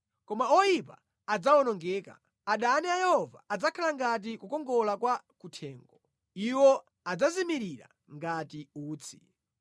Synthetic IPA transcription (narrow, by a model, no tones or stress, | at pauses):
kɔmaɔjip̬a̰ | ad͡zawɔnɔŋɡɛːka̰ | aɗaniajɛhɔva̰ːd͡zakʰalaŋɡat̬ikukɔŋɡɔlakwakutʰɛːŋɡɔ | iwɔ | ad͡zazimiɾiɾa̰ | ŋɡatiuːt͡sʰi̥